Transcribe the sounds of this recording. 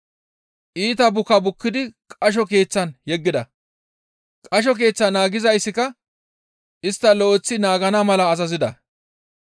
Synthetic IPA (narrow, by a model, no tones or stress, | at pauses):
ʔiːt̪̬ɐbʊkːɐbʊkːɪd̪ɪkʼɐʃ̬ɔke̞ːt͡sːɐnjɛɡːɪd̪ɐ | kʼɐʃ̬ɔk̬e̞ːt͡sːɐnaːɡɪzɐjsːɪkɐ | ʔɪst̪ːɐlɔʔɔt͡sːɪnaːɡɐnɐmɐlɐːzɐzɪd̪ɐ